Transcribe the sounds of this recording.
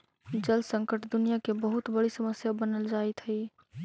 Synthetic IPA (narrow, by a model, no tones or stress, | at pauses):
d͡ʒəlsəŋkəʈd̪unijakebəɦut̪bəɽisəməsjabənəld͡ʒaɛt̪ɦəɪ